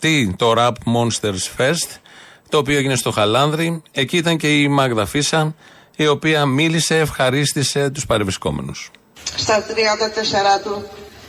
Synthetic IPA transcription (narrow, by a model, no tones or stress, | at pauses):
t̪it̪o̞ɾɐpmo̞nst̪e̞ɾsfe̞st̪t̪o̞ːpioeʝine̞st̪o̞xɐlɐnðɾie̞ciit̪ɐɲce̞imɐɡðɐfisɐ | io̞piɐmilise̞ːfxɐɾist̪ise̞t̪uspɐɾevɾisko̞̰me̞̰nus | st̪ɐt̪ɾiɐnd̪ɐt̪eseɾɐt̪u